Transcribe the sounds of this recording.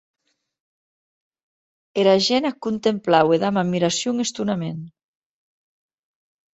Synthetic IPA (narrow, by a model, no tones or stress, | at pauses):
eɾaʒɛnakunt̪emplaweðamammiɾasjuŋest̪unamen